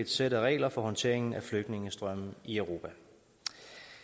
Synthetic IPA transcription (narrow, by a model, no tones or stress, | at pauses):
ed̥sed̥əʁɛ̰ːlɐfɒ̽ɦhɒ̽nt͡sʰe̝̰ɐ̰e̝ŋn̩æfløɡ̥d̥ne̝ŋəsd̥ʁɶm̰̩iœʊʁo̝ːpʰæ